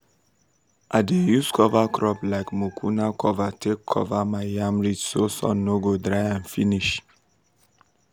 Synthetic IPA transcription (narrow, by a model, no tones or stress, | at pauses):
ʔaɪdejuskʰɔvakɹɔplaɪkmokʰunakʰɔvatʰekʰːɔ̰vamaɪjãmɹit͡ʃsosɔ̰̃nːoɡodɹaɪãnfiniʃ